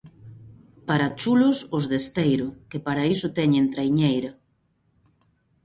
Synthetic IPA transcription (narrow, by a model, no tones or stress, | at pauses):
paɾat͡ʃulʊsʊzðest̪ejɾʊkepaɾaisʊt̪ɛɲent̪ɾajɲejɾɐ